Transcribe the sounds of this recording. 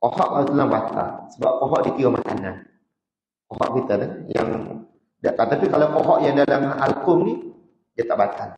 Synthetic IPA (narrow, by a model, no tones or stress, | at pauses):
kohɔʔaut̪ənabat̪a̰səba̰p̚kɔɦɔʔdit̪iwamaka̰nan | koɦɔ̰ʔkit̪anaja̰ŋ | daʔt̪at̪apikalawkoɦɔʔjaŋdalama̰lkʊmni | dat̪aʔbat̪an